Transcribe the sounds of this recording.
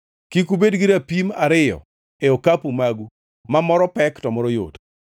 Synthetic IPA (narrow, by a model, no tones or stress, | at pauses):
kikubedɡiɾapimaɾɪjɔ̰ | eokapumaɡu | mamɔɾɔpɛktɔmɔɾojo̰t